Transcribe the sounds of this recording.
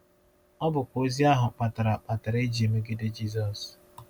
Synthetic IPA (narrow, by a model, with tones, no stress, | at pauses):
ɔ˦bʊ˨kʷo˦zi˦a˦ɦʊ˨k͡pa˨ta˨ɾa˨k͡pa˨ta˨ɾe˦d͡ʒi˨e˨me˦ɡɪ˦de˦d͡ʒi˦zɔ˨s